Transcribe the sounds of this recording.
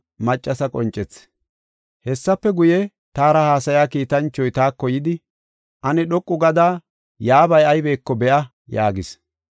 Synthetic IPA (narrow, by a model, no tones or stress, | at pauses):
mɐt͡ʃʼːɐsɐkʼɔnt͡ʃʼːɛt͡sː | hɛsːɐpːɛɡʊjɛ | t̪aːɾɐhaːsɐjaːkiːt̪ɐnt͡ʃːɔjt̪aːkːɔjɪd̪ɪ | ʔɐnɛɗɔkʼːʊɡɐd̪aː | jaːbɐjɐjbe̞ːkːɔbɛʔɐ | jaːɡɪs